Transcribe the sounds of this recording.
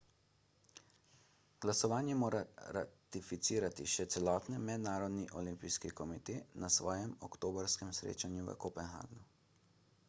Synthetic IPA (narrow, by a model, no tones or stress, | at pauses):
ɡ̥lasɔʋaːnjɛmoːɾaɾa̰t̪ifit̪siːɾat̪iʃɛt̪sɛlɔːt̪nimɛd̪naːɾɔd̪niʔɔlimpijskikɔmit̪eːnasʋɔːjɛmɔkt̪oːbɔɾskɛmsɾḛːt͡ʃanjuʋə̰kopɛnxa̰ːɡnu